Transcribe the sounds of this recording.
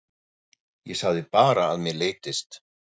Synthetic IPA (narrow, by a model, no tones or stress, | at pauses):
jɛsaɣðɪpaːɾaːðmjɛleːjt̪ɪst̪